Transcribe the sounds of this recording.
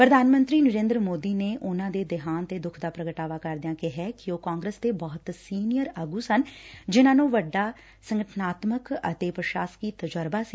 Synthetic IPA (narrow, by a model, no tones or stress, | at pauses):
pɾəd̪ʱaːnmənt̪ɾiːnəɾẽːnd̪ɾəmoːd̪iːneːʔʊnãːd̪eːd̪ɪɦaːnt̪eːd̪ʊkʰd̪aːpɾəɡəʈaːʋaːkəɾd̪ɪãːkɪɦɛːkɪoːkaːŋɡɾəst̪eːbɔːt̪siːnɪjəɾəɡuːsənd͡ʒɪnãːnũːʋəɖːaː | səŋɡəʈʰnaːt̪məkə̰t̪eːpɾəʃaːskiːt̪əd͡ʒəɾbaːsiː